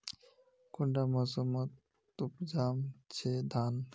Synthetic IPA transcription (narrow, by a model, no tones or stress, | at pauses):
kuɳɖaməsomət̪ | upd͡ʒamt͡ʃʰed̪ʱan